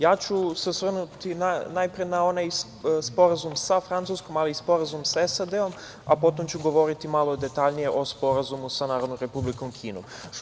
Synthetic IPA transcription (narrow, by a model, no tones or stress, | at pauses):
jaːt͡ɕusesʋr̩nut̪inanajpɾienao̞naj | spo̞ɾazumsafɾant̪suːsko̞maliːspo̞ɾazumsaesad̪e̞o̞m | apo̞t̪o̞mt͡ɕuɡo̞ʋo̞ɾit̪imalˠo̞d̪e̞t̪aʎnije̞ʔo̞spo̞ɾazumusanaːɾod̪nomɾe̞publikomkʰiːnom